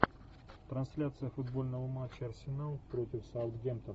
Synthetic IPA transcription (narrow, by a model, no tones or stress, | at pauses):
t̪ɾɐnsʲlʲat̪sɨjəfʊd̪bo̞lʲnəvəmat͡ɕːəɐrsʲɪnalˠpɾo̞tʲɪfsaʊt̪ɡʲemt̪ən